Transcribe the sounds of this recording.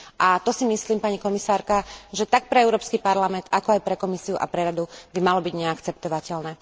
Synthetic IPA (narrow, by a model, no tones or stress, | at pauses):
ʔat̪ɔsimisliːmpaɲikɔmisaːɾkaʒɛt̪ak̚pɾɛɛʊɾɔːpskipaɾlamɛnt̪akɔajpɾɛkɔmisiuʔa̰pɾɛɾad̪ubimalɔbiɟɲɛakt͡sɛp̚t̪ɔʋacɛlnɛː